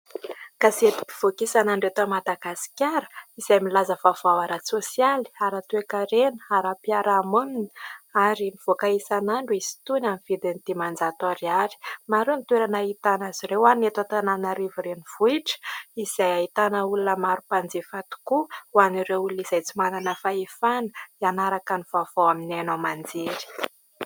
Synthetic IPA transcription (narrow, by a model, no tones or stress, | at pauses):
kazet̪i̥pi̥v̥okisanaɳɖ͡ʐet̪amad̪aɡasi̥kʲaɾə̥iz̥ajmilazəvav̥awaɾasosiali̥aɾat̪uekaɾenə̥aɾapiaɾamunini̥aɾimiv̥okaisanaɳɖ͡ʐuizi̥t̪unamiv̥id̪init̪imand͡zat̪aɾiaɾi̥maɾenit̪weɾanait̪anaziɾewanet̪at̪ananaɾiviɾeniv̥uiʈ͡ʂə̥izajait̪anəulunəmaɾupand͡zefat̪u̥kuwanireuluiz̥ajt͡simananəfaefanə̥ianaɾakaniv̥av̥awaminanamand͡zeɾi̥